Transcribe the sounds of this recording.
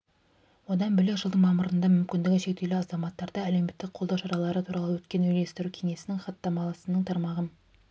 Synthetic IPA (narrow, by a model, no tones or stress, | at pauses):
wo̞d̪ɑnbɪleʒəlˠd̪əɴmɑməɾənd̪ɑmʏmkʲɪnd̪ɪɡʲɪʃe̞k̚t̪e̞lɪɑzɑmɑt̪ːɑɾd̪ɑæle̞wme̞t̪ːɪk̚qʰolˠd̪ɑwʃɑɾɑlˠɑɾət̪ʰuɾɑlˠəwɵt̪kʲe̞nwɵjle̞st̪ɪɾukʲʰe̞ŋe̞sɪnɪŋχɑt̪ːɑmɑlˠɑsənəɴt̪ʰɑɾmɑʁəm